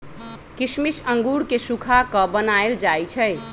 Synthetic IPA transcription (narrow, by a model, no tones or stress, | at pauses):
kismisəŋɡuɽkesukʰakəbənaeld͡ʒajt͡ʃʰəj